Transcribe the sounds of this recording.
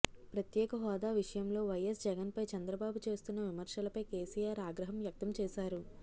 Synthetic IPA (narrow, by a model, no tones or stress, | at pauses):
pɾɐt̪jɛːkɐɦɔːd̪aːʋiʂɐjɐmlo̞ːʋɐjɐsd͡ʒɛɡɐnpɐjt͡ʃɐnd̪ɾɐbaːbut͡ʃe̞ːst̪unːɐʋimɐɾʂɐlɐpɐjkeːsijaːɾaːɡɾɐɦɐmʋjɐk̚t̪ɐmt͡ʃɛːsaːɾu